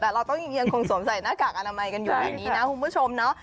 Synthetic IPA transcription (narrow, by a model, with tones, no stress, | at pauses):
ɛː˨˩ɾa˧wt̪ɔ˥˩ŋji˧ŋjə˧ŋkʰo˧ŋso˩˦msa˨˩˦jnaː˥˩kaː˨˩k̚ʔa˧naː˧ma˧jka˧njuː˨˩ʔa̰ː˧niː˦˥na˦˥kʰu˨˦mbu˦˥t͡ɕʰo˧mnɔ˦˥ʔ